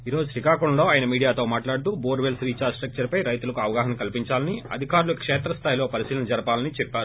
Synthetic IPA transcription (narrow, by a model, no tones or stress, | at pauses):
iːɾo̞ːd͡ʒuʃɾikaːkuɳlo̞ːaːjɐnɐmiːɽijaːt̪o̞ːmaːʈlaːɽut̪uboːɾʋelsɾiːt͡ʃaːsʈɾɐk̚t͡ʃɐɾpɐjɾɐjt̪ulɐkuɐʋɐɡaːɦɐnɐkɐlipiɲt͡ʃaːlɐniɐ̰d̪ʱikaːɾulukːɐkʂɛːt̪ɾɐst̪ʰaːjilo̞ːpɐɾisiːlɐnɐd͡ʒɐɾɐpaːlɐnit͡ʃɛpːaːɾu